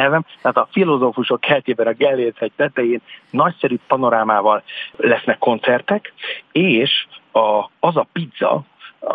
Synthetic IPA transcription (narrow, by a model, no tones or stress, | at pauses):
ɛlvɛmt̪ɛaːt̪ɒfilo̞zoːfuʃo̞khɛlt̪eːbɛnɒɡɛlːeːt̪ɛk̚t̪ɛt̪ɛjeːnːɒcsɛɾypɒno̞ɾaːmaːvɒlːɛsnɛkːo̞nt̪sɛrt̪ɛkeːʃɒɒzɒpid̪zːɒ̰